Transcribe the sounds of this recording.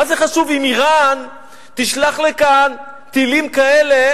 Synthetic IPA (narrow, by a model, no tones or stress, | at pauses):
azeχaʃuvimiʁan | t̪iʃlaχlekan | t̪ilimkaele